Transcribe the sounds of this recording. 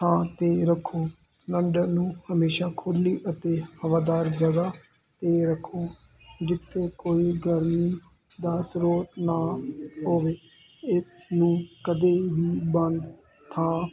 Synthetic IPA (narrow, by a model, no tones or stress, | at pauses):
tãːt̪eːɾəkʰːoː | nəɳɖəɾnũːhəmeːʃaːkʰʊliːʔət̪eːhəʋaːd̪aːɾd͡ʒəɡaː | t̪eːɾəkʰːoː | d͡ʒɪt̪ʰːeːkoːiːɡəɾmiː | d̪aːsɾoːt̪naːɦoːʋeː | ɪsnũːkəd̪eːʋiːbənd̪ | t̪ʰãː